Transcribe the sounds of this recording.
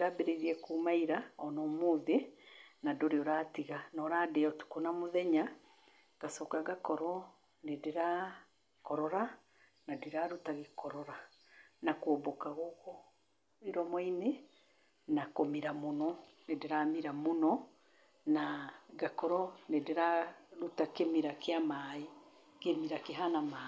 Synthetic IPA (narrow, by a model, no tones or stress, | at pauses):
dɾabɛɾeɾiɛkumaiɾaɔnɔmuːðenadoɾeoɾaːtiɣanɔɾadɛɔtu̥konamoðɛɲa | ɡ̥asɔkaɡakɔɾɔ | nediɾa | kɔɾɔɾa | nadiɾaɾutaɣekɔɾɔɾa | nakwobokaɣoɣɔ | iɾɔmɔine | nakomiɾamonɔ | nedeɾamiɾamonɔ | naɡakɔɾɔnedeɾaɾutakemiɾakeamai | kemiɾakeɦanama